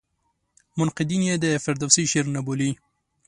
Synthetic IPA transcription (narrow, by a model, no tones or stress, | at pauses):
mʊnqɪd̪injed̪əfɪɾd̪asiʃeɾnaboli